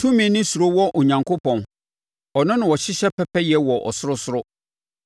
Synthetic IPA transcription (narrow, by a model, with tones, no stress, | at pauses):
tʰũ˦mĩ˨nɪ̃˦su˨ɾo˦wɔ˦ʔo˨ɲã˨ŋkʰo˦pɔ̃˨n | ɔ˨nʊ̃˦nɪ̃˨wɔ˨ɕɪ˦ɕɛ˦pʰɛ˦pʰɛ˦jɛ˨˦wɔ˨ʔɔ̰˨sʊ˦ɾʊ˦sʊ˦ɾʊ˦